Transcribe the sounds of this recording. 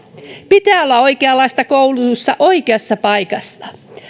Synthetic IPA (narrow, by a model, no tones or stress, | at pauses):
pit̪æːo̞lːɑo̞ikeɑlːɑist̪ɑkowlut̪ust̪ɑʔoikeɑsːɑpɑikɑsːɑ